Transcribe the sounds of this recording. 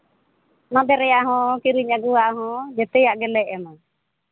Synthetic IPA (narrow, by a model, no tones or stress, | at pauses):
nãb̪ɛɾɛjaʔɦɔ̃kiɾiɲaɡuwaʔɦɔ̃d͡ʒɛt̪ɛjaʔɡɛlɛʔɛma